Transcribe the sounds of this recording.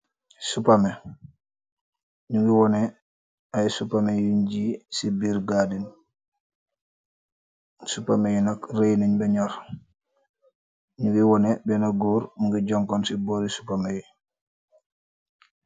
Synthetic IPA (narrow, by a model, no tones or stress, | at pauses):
supamɛ | ɲuɡiwɔnɛ | ajsupamejuɲɟisibiːɾɡaːdin | supamejunakrejneɲbɛɲɔɾ | ɲuɡiwɔnɛbɛnaɡuːɾmuŋɡiɟɔŋkɔnsibɔːɾisu̥pameji